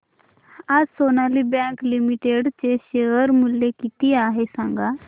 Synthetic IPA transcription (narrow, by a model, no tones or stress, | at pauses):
ad͡zsonalibɛ̃klimiʈeɽt͡ɕeɕeəɾmuljekit̪iaɦesãŋɡa